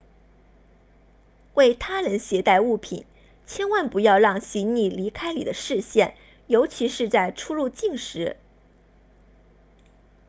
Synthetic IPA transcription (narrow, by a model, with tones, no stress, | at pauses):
we˥˩ɪt̪ʰa˥ɻə˧˥nɕjɛ˧˥t̪a˥˧ɪu˥˩pʰḭ˨˩˦n | t͡ɕʰjɛ˥nwa˥˩npu˧˥jɑ˥˧ʊɻɑ˥˩ŋɕi˧˥nni˥˩li˧˥kʰa˥ɪlḭ˨˩d̪ə˦ʂɻ̩˥˧ɕjɛ˥˩n | jo˧˥ʊt͡ɕʰi˧˥ʂɻ̩˥˧t͡sa˥˩ɪʈ͡ʂʰu˥lu˥˧t͡ɕi˥˩ŋʂɻ̩˧˥